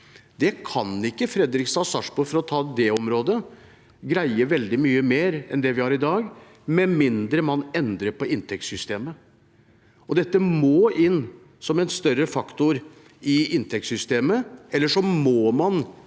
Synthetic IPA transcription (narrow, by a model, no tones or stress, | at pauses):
d̪ɛkʰɑnɪkːəfɾɛd̪ɾɪksɑːsɑʂbʊɾfɔɾɔt̪ʰɑːd̪ɛɔmɾoːd̪ə | ɡɾæɪəʋɛld̪ɪmyːəmeːɾɛnd̪ɛʋɪhɑɾɪd̪ɑːɡ | mɛmɪnd̪ɾəmɑnɛnd̪ɾəpɔɪnt̪ʰɛkt̪sʏst̪eːmə | ɔd̪ɛt̪ːəmoːʔɪnː | sɔmɛnst̪œɾəfɑkt̪ʊɾ | ɪɪnt̪ʰɛk̚t̪sʏst̪eːməɛlːəʂɔmoːmɑn